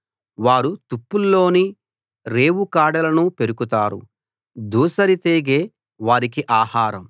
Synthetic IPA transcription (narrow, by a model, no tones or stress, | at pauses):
ʋaːɾut̪upːulːo̞ːni | ɾe̞ːwukaːɽɐlɐnupe̞ɾukut̪aːɾṵ | d̪ʱuːsɐɾit̪eːɡeː | ʋaːɾik̬iʔaːhaːɾɐm